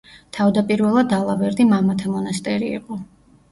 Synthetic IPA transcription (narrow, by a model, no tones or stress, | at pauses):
t̪ʰavd̪apʼiɾvɛlˠad̪alˠabɛɾd̪imamat̪ʰamɔnast̪ʼɛɾḭːqʼɔ